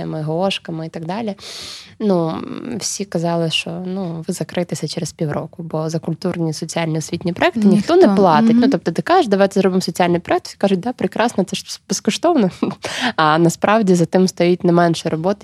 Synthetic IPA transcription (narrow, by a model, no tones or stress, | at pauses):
ɐmɪɦɔɔʃkɐmɪit̪ɐɡ̚d̪ɑlʲinuwsʲikɐzɑlˠɪʃt͡ʃɔnuʋɪzɐkɾɪt̪ɪsʲɐt͡ʃɛɾespʲiwɾɔ̰kʊbɔzɐkʊlʲt̪urnʲisɔt͡sʲialʲnʲiʊsʲʋʲitʲnʲipɾɔɛkt̪ɪnʲixt̪ɔnɛplˠɑt̪ɪtʲnut̪ɔp̚t̪ɔt̪ɪkɑʒɪʃd̪ɐʋɑjt̪ɛzɾɔbɪmsɔt͡sʲialʲnjpɾɔɛk̚t̪sʲi̥kɑʒʊt̚ʲd̪ɑpɾɪkɾɑsnɔt̪sɛbeskɔʃt̪ɔʋnɔ | ɐnɐspɾʔɑwdʲizɐt̪ɪmst̪ɔjit̚ʲnɛmɛnʃɛɾɔbɔt̪ɪ